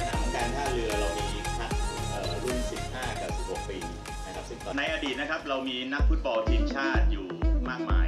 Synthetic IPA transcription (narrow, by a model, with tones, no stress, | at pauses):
ana̰˨˩t̪ʰɔ˥˩ŋkaː˧nkʰaː˥˩ɾɯ˧˦ɾa˧wmiː˧nʰa˦˥k̚ʔəː˨˩ɾu˥˩nsi˨˩p̚haː˥˩kaː˨˩si˨˩p̚ho˨˩k̚piː˧ | na˦˥kʰa˦˥p̚si˥˩ŋ˧na˧jʔa˧diː˨˩na˦˥kʰa˦˥p̚ɾa˧wmiː˧na˦˥k̚fu˦˥t̪̚bɔ˧lt̪ʰiː˧mt͡ɕʰaː˥˩t̪̚juː˨˩maː˥˩k̚ma̰ː˧j